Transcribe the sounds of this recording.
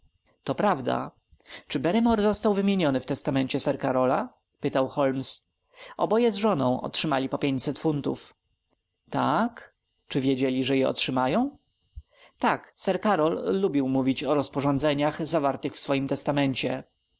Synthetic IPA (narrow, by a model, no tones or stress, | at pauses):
t̪ɔpɾavd̪a̰ | t͡ʂɘbɛɾɛmɔɾzɔst̪awvɘmʲjeɲɔnɘft̪ɛst̪amɛɲt͡ɕɛsɛɾkaɾɔla | pɘt̪awxɔlms | ɔ̰bɔjɛzʐɔnɔ̰̃w̃ɔ̰tʂɘmalʲipɔpʲjeɲt͡ɕsɛt̪funt̪ṵf | t̪ak | t͡ʂɘvʲjed͡ʑɛlʲiʐɛjɛɔ̰tʂɘmajɔ̃w̃ | t̪aksɛɾkaɾɔlːubʲiwmuvʲit͡ɕɔɾɔspɔʐɔnd̪zɛɲaxzavaɾt̪ɘxfsfɔjimt̪ɛst̪amɛɲt͡ɕɛ